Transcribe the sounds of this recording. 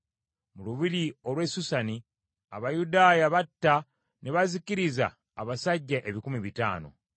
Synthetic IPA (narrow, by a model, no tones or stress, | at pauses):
muluβiɾio̞lwe̞susani | a̰βajudaːjaβatːa | ne̞βaziciɾiza̰ː | βasaɟːaʔe̞βikumiβita̰ːno̞̰